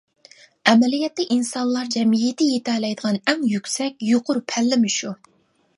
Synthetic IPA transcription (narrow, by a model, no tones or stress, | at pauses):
ɛmɛlijɛt̪ːɪʔinsɑnlˠɑɾd͡ʒɛmijɪt̪ʰɪjet̪ʰɛːlɛjd̪əʁɑnɛŋjykʲsɛkʲjoqʰʊɾpʰælːɪmɪʃu